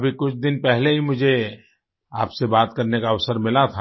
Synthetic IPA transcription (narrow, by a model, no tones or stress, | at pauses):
bʱikʊt͡ʃʰd̪ɪnpɛɦleɦimʊd͡ʒʱe | a̰ːpsebaːt̪kɐɾnekaɐʋsəɾmɪlat̪ʰa